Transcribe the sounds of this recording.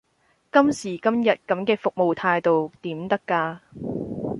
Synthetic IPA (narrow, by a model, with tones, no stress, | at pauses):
kɐ˥msiː˨˩kɐ˥mjɐ˨t̚kɐ˨˥mkɛː˧fʊ˨k̚mo˨wt̪ʰaː˧jt̪o˨wt̪iː˨˥mt̪ɐ˥kːaː˧